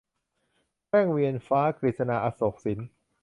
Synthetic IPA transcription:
kɛː˥˩ŋwi˧ənfaː˦˥kɾi˨˩t̪̚sa˧naː˧ʔaː˧soː˨˩k̚si˩˦n

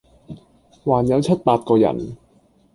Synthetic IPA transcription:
waː˨˩njɐ˨˥wt͡ɕʰɐ˥t̚paː˧t̚kɔː˧jɐ̰˨˩n

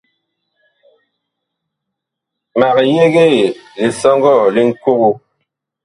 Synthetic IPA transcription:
ma˨ɣje˦ɣe˦˨li˨sɔ˦ŋɡɔ˦˨li˦ŋ̩˦ku˦ɣu˦

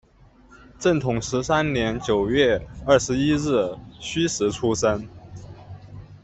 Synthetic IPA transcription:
ʈ͡ʂə˥˩nt̪ʰʊ˨˩ŋʂɻ̩˧˥sa˥nnjɛ˧˥nt͡ɕjo˨˩ʊɥɛ˥˧ɐ˥˩ʂɻ̩˧˥i˥ɻɻ̩˥˩ɕy˥ʂɻ̩˧˥ʈ͡ʂʰu˥ʂə˥n

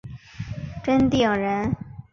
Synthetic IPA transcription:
ʈ͡ʂə˥nt̪i˥˩˨ɻə˧˥n

